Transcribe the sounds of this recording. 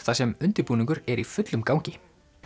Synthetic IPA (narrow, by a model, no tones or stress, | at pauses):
θasɛmʏnt̪ɪɾpuːnĩŋkʏɾɛɾifʏt̪lʏmkawɲcɪ